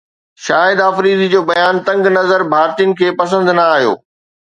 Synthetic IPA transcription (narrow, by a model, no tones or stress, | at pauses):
ʃaːjɪd̪afɾiːzid͡ʑoːbɐjaːnt̪ɐ̃ŋɡnɐzəɾbʱaːɾt̪ijʊnɪ̆kʰeːpɐsə̃nd̪nɐaːɦijo̰ː